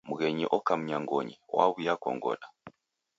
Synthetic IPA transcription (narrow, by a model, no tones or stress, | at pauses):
muɣɛɲiʔɔkam̩ɲaŋɡɔɲiwa̰βujakɔ̰ŋɡɔ̰na